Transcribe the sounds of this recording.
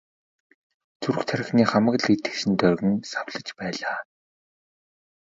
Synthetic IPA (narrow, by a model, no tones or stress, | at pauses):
t͡suɾɘ̆xt̪ʰaɾʲɪ̆xniːχamə̆ɣ̆ɮet̪ɘ̥̆kʃɘ̆nt̪œrɣɘ̆nsawɮə̆t͡ɕpæːɮaː